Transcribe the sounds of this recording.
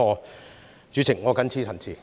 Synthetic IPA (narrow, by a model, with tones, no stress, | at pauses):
ɔː˨˧ | t͡ʃyː˨˧t͡sʰɪ˨˩ŋːɔː˨˧kɐ˨˥nt͡sʰiː˥t͡sʰɐ˨˩nt͡sʰiː˨˩